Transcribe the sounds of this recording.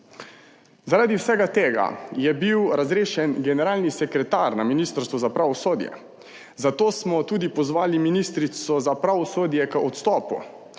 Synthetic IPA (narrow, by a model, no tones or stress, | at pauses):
zaɾaːd̪iwsɛɡat̪eːɡa̰jɛbiwɾazɾeːʃɛnɡɛnɛɾaːlnisɛkɾɛt̪aːɾnaminiːst̪əɾst̪ʋɔzapɾaːʋɔsoːd̪jɛ̰ | zat̪oːsmɔt̪uːd̪ipɔzʋaːliminist̪ɾisɔzapɾaːʋɔsoːd̪jɛkəɔt̪st̪ɔːpṵ